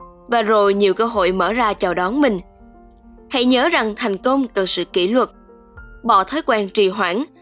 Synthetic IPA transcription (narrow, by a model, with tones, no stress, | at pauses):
vaː˨˩zo˨˩jɲi˨˩əwkəː˧ɦo̰˧˨jməː˧˩zaː˧t͡ɕaː˨˩wɗɔ˨˦nmï˨˩ŋ̟ | ha̰˧˥jɲəː˨˦za˨˩ŋt̪ʰa˨˩jŋ̟kə˧wŋ͡mkə˨˩nsɨ̰˧˨ki˧˩lwə˨˩t̚ | ɓɔ̰˧˨t̪ʰəː˨˦jkwaː˧˩nt͡ɕi˧˨˩ɦwaː˧˩n